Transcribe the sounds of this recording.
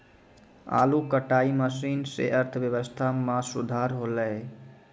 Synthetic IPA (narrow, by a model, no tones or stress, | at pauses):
a̰lukəʈaiməsinsḛʔəɾt̪ʰəbjəʋəst̪ʰamãsud̪ʱaɾɦoləe